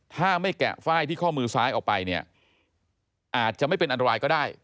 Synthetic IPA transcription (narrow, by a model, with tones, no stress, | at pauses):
t̪ʰaː˥˩ma˥˩jkɛ̰˨˩ʔfaː˥˩jt̪ʰiː˥˩kʰɔː˥˩mɯː˧saː˦˥jʔɔː˨˩pa˧jni˥˩ɐ | ʔaː˨˩t̪̚t͡ɕa˨˩ʔma˥˩pe˧nʔa˧nt̪a˧aː˧jkɔː˥˩daː˥˩j